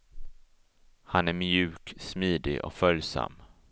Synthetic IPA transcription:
hanæɾmjʉ̟ːksmiːd̪ɪʔɔ̰kfœljsa̰mː

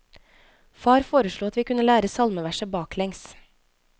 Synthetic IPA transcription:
fɑːɾfoːɾəʃɭuːɑt̪ʋiːkʰʉnəlæːɾəsɑlməʋæʃəbɑːklɛŋs

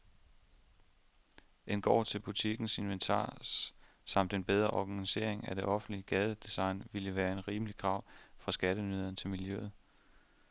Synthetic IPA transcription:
ʔe̝nɡ̥ɒ̰ːt͡sʰe̝lb̥ut͡sʰiɡ̥n̩se̝nʋent͡sʰɑ̰̈ːs | sɑ̈m̰d̥e̝nb̥eð̞ˠʁɐʔɒɡ̥ænise̝̰ɐ̰eŋæd̥e̝ʔɒ̽fn̩liəɡ̥ɛːð̞ˠəd̥isɑ̈ɪnʋiləʋæːɐe̝nʁiːməlikʰʁɑ̈ʊ̰fʁɑ̈sɡ̥æɾənyðˠɐnt͡sʰe̝lmiljø̰ð̩ˠ

